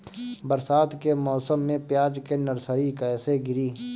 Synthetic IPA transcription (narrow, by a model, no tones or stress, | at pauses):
bəɾsaːt̪kemɔːsəmːẽpjaːd͡ʒkenɐɾsəɾikɛːseɡɪɾiː